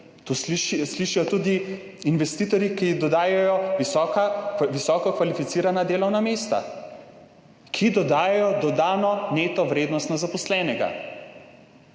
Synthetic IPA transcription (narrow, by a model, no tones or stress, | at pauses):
t̪osiʃsliʃijɔt̪uːd̪i | inʋɛst̪iːt̪ɔɾjikid̪ɔd̪aːjajɔikaʋisɔːkɔkʋalifit̪siːɾanad̪eːlɔwnameːst̪a̰ | kʰid̪ɔd̪aːjajɔd̪ɔd̪aːnɔneːt̪ɔʋɾeːd̪nɔst̪nazapɔslɛːnɛɡa̰